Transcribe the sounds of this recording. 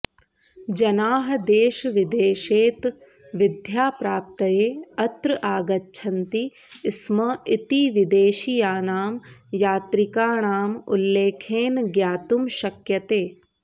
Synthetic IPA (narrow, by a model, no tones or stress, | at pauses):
d͡ʒɐnaːɦɐd̪eːʃʋɪd̪eːʃeːt̪ | ʋɪd̪ʱjaːpɾaːp̚t̪ɐjeːɐt̪ɾəʔaːɡɐtːʃʰɐnt̪i | ɪsmɐɪt̪iʋɪd̪eːʃijaːnaːmjaːt̪ɾɪkaːɳaːmṵlːeːkʰeːnɡjaːt̪umʃɐkjɐt̪eː